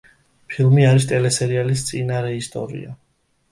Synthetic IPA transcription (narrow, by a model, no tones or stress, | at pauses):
pʰilˠmiaɾist̪ʼɛlɛsɛɾialist̪sʼinaɾɛist̪ʼɔ̰ɾḭa̰